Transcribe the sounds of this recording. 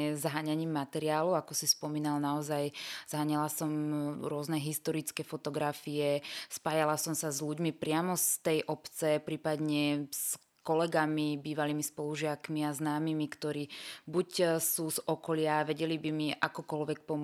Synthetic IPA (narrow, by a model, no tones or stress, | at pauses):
ɛzɦaːɲaɲiːmːat̪ɛɾiaːluakɔsispɔmiːnalnaɔzajz̥ɦaːɲɛlasɔmɾʊɔznɛɦist̪ɔɾit͡skɛːfɔt̪ɔɡɾafiɛspaːjalasɔmsazʎuɟmipɾɪamɔst̪ɛjʔɔpt͡sɛpɾiːpad̪ɲɛs | kɔlɛɡamibiːʋaliːmispɔluʒɪakmiaznaːmimikt̪ɔɾiːbucsuːzɔkɔlɪaʋɛɟɛlibimiʔakɔkɔlʋɛk̚pɔm